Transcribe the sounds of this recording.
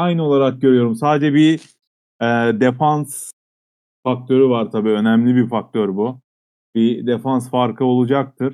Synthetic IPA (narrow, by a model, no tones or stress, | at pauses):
ajnɯo̞lˠaɾak̚ɟø̞ɾyjo̞ɾumsaːd̪ed͡ʒɛbi | ɛːd̪efans | fak̚t̪ʰø̞ɾyvaɾt̪ʰabiːø̞næmlʲibifak̚t̪ʰøɾbu | bid̪efansfaɾkʰɯo̞lˠud͡ʒak̚t̪ʰɯɾ̥